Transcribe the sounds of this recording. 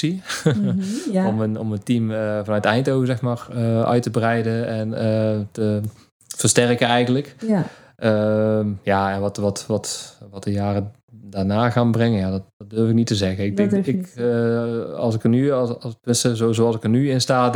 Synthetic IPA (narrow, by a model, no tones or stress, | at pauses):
i | omənɔməntiməvɑnœɥtɛjntowəzɛxmaːrəœ̰ɥtəbrɛjdəɛnətə | v̥ərstɛrkənɛjɣəntlək | ʔəjaɛnʋɑtʋɑtʋɑtʋɑt̚dəjaːrə | danaːɣaːnbrɛŋənjaːdɔtd̥ɔt̚dørfɪk̚nitəzɛɣəɪɡ̚dɛŋkɪk | ɑ̰lˠsɪkənypɪnsɪzoizoɑlˠsɪkənyɪnstaː